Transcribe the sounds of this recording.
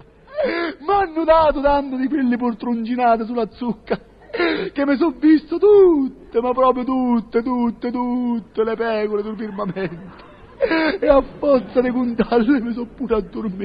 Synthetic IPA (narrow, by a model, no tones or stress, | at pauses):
manːʊd̪aːt̪ʊt̪ant̪ɪd̪ik̬welːɪp̬urt̪ɾund͡ʒinaːt̪̬ɪs̬ulːat̪sːukːa | k̟emːɪs̬ɔvːist̪ot̪ut̪ːemapːɾɔːp̬ɾjʊt̪̬ut̪ːet̪ut̪ːet̪ut̪ːelepɛːkoled̪uɾfirmamɛnt̪e̥ | eafːɔrt̪sad̪ɪkunt̪alːɪmɪs̬ɔpːuːɾad̪ːʊrmi